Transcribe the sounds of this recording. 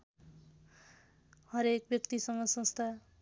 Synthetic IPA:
hʌɾek̚bjʌkt̪isʌŋɡʌsʌ̃nst̪ʰa

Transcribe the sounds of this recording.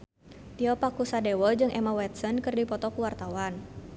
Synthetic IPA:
t̪iɔpakusadewɔd͡ʒɨŋʔɛmawɛt̪̚sɔnkərdipɔt̪ɔkuwart̪awan

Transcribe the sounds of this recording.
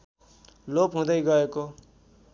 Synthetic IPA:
lopɦũd̪ʌiɡʌeko

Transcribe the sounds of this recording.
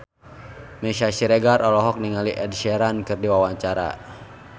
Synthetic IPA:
mɛʃaʃiɾɛɡarʔɔlɔɦɔk̚niŋaliʔɛdʃɛɾankɨrdiwawaɲt͡ʃaɾa̰

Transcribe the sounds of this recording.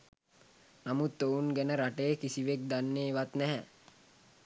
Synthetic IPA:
namut̪ːounɡænəɾaʈejəkisiʋek̚d̪anːeːʋat̪nɛɦɛ

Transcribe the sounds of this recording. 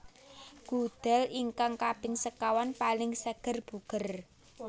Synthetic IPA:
ɡ̥ṳd̪̥ɛ̤liŋkaŋkab̥ɪ̤nsəkawanpalɪŋsəɡ̥ə̤rb̥uɡ̥ə̤r

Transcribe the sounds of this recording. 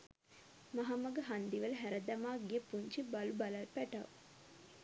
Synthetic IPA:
maɦamɐɡəɦand̪iʋəlɦæɾəd̪ɐmaːɡijəpuɲt͡ʃibalubɐlɐlpæʈɐʋ

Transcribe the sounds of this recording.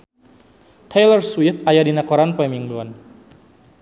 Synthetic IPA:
t̪ʰejlərswift̪ajadinakɔɾanpɔɛmiŋbɔn

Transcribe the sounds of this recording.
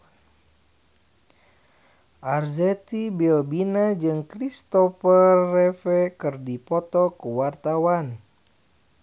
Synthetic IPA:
ʔarzɛt̪ibilbinad͡ʒɨŋkɾist̪ɔfərːɛfɛkɨrdipɔt̪ɔkəwart̪awan

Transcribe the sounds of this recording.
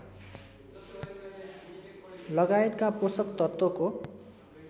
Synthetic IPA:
lʌɡaet̪kaposʌkt̪ʌt̪wʌko

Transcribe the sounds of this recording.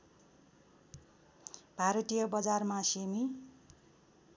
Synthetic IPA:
bʱaɾʌt̪ijʌbʌd͡zarmasemi

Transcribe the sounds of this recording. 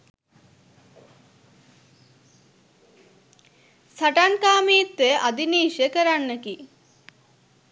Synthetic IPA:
saʈankaːmiːt̪ʋeʔad̪iniːʃəkəɾanːəki

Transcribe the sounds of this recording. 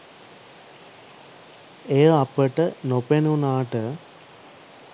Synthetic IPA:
ejəapəʈənopenunaːʈə

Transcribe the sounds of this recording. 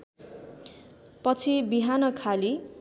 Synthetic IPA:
pʌt͡sʰibiɦanʌkʰali

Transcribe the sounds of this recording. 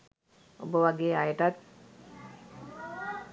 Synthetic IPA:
o̰bəʋaɡeːajəʈat̪̚

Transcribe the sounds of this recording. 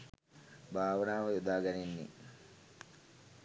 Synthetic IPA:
bʱaːʋɐnaːʋɐjud̪aːɡɐninːḭ

